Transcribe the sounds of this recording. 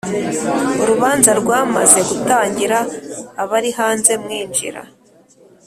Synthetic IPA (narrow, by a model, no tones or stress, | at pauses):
uɾuβaːnzaɾɡwaːmaze̞ɡutaːɲɟiɾaːβaɾihaːnze̞mŋiːnd͡ʒḭɾa̰